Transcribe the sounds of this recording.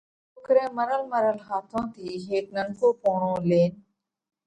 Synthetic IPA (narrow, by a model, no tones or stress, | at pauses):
pʊkɾẽːməɾəlməɾəlɦaːt̪ʰõːt̪ʰiːɦeːk̚nəŋkoːpoːɳõːleːn